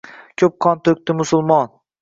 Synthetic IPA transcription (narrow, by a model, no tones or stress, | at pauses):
kʲʰɵp̚qʰɒnt̪ʰɵk̚ʲt̪ɪmʊsʊlˠmɒn